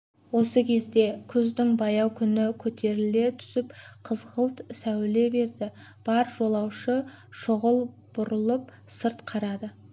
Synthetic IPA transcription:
wo̞səkʲʰe̞zd̪e̞kʲʰʏzd̪ɪŋbɑjɑwkʲʰʏnɪkʲʰɵt̪e̞ɾɪle̞t̪ʰʏ̥sɪpqʰəzʁəlˠt̪sæwle̞be̞ɾd̪ɪb̥ɑɾʒo̞lˠɑwʃə | ʃʊʁəlˠ | b̥ʊɾəlˠəp̚ | səɾt̪qʰɑɾɑd̪ə

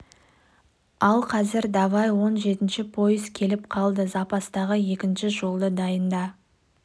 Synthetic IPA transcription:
ɑlˠqʰɑzɪɾd̪ɑvɑjwo̞nʒe̞t̪ɪnʃɪpʰo̞jəzkʲʰe̞lɪp̚qʰɑlˠd̪əzɑpɑst̪ɑʁəje̞kʲɪnʃɪʒo̞lˠd̪əd̪ɑjənd̪ɑ

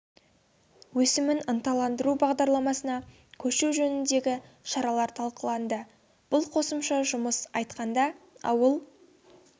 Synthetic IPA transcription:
wɵsɪmɪnənt̪ɑlˠɑnd̪əɾubɑʁd̪ɑɾlˠɑmɑsənɑ | kʲʰɵʃewʒɵnɪnd̪e̞ɡʲɪʃɑɾɑlˠɑɾt̪ʰɑlˠqəlˠɑnd̪ə | b̥ʊlˠqʰo̞səmʃɑʒʊməsɑjt̪qɑnd̪ɑɑ̰wəlˠ

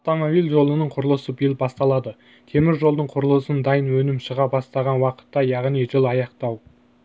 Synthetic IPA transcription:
t̪omovilʲˠʒo̞lˠənəɴqʰʊɾəlˠəsəbijlbɑst̪ɑlˠɑd̪ə | t̪ʰe̞mɪɾʒo̞lˠd̪əɴqʰʊɾəlˠəsənd̪ɑjənwɵnɪmʃəʁɑbɑst̪ɑʁɑnwɑqə̥t̪ːɑjɑʁnijʒəlˠɑjɑqt̪ɑw

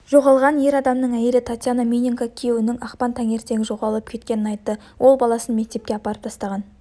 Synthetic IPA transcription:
ʒo̞ʁɑlˠʁɑnje̞ɾɑd̪ɑmnəɴæjeɾɪt̪ʰat̪ʲjanamʲinʲiŋkakʲʰijewɪnɪŋɑqpɑnt̪ʰæŋe̞ɾt̪e̞ɡʲɪʒo̞ʁɑlˠəp̚kʲʰe̞t̪̚kʲe̞nɪnɑjt̪ːə | wʔo̞lˠbɑlˠɑsənme̞k̚t̪e̞p̚kʲe̞ɑpɑɾəp̚t̪ʰɑst̪ɑʁɑn

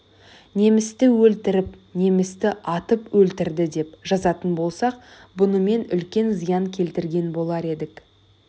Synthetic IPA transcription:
ne̞mɪst̪ɪwɵlt̪ɪɾɪpne̞mɪst̪ɪʔɑt̪əpwɵlt̪ɪɾd̪ɪd̪e̞pʒɑzɑt̪ənbo̞lˠsɑq | bʊnəme̞nʏlkʲe̞nzijɑŋkʲʰe̞lt̪ɪɾɡʲe̞nbo̞lˠɑɾe̞d̪ɪk

